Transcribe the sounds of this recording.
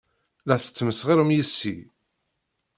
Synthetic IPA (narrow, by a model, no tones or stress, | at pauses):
læθə̥t͡sːməsʁiɾəmjisːi